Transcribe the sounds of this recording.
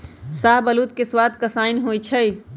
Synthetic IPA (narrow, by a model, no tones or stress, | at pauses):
saːɦbɐluːt̪keswaːt̪kasaːɪnɦoːit͡ʃʰɐi